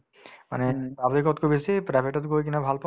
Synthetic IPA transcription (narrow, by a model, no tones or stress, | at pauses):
ma̰neabd̪ikɔt̪kʰubesepɾajbʱeʈɔt̪kokinabʱalpɔ